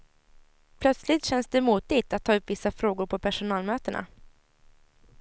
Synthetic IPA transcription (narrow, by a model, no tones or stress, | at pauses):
pʰlœt̪slɪt̪ɕɛnsd̪ɛmuːt̪ːɪt̪at̪ʰːɑːɵpːvɪsːafɾoːɡʊɾpʰɔpʰæʂʊnɑːlmøːt̪əɳa̰